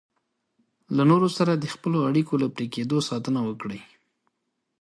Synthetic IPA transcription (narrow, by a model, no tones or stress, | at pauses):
lanoɾosaɾad̪əxpəloaɽikolapɾeked̪osɑt̪ənawəkɽəj